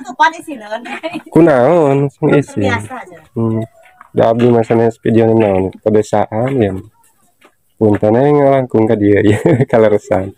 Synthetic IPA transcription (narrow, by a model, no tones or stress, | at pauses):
kunaɔnsaŋisɪn̩ | daːb̚dimasanaspidiɔnɛnaɔnpəbɛsaʔanjan | punt̪anaŋalaŋkuŋkadiajakaləɾəsan